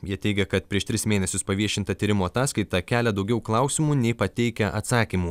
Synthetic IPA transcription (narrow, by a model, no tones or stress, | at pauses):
jiɛt̪ʲɛɪɡʲɛkɐt̪̚pʲɾʲiɛʃt̪ʲɾʲɪsmʲeːnʲɛsʲʊspɐʋʲiɛʃʲɪnt̪ɐt̪ʲiːɾʲɪmoːɐt̪ɑːskɐɪt̪ɐkʲæːlʲɛd̪ɒʊɡʲɛʊklˠɐˑʊsʲɪmuːnʲɛɪpɐt̪ʲɛɪkʲɛʔɐt̪sɑːkʲiːmuː